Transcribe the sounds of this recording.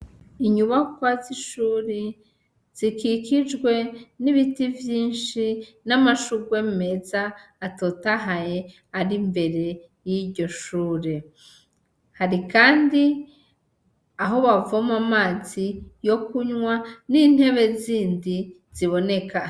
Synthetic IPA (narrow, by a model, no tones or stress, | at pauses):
iɲuβakwaziʃuːɾe | z̥ikikid͡ʒɡwe̞niβitivjiːnʃinamaʃuɡwe̞me̞zaːtotaɦaje | aɾimbe̞ɾe̞ | jiɾɟo̞ʃuːɾe̞ | haɾikaːndi | aɦo̞βavomamaːzijo̞kuɲwanin̥he̞βe̞ziːndi | z̥iβo̞ne̞ka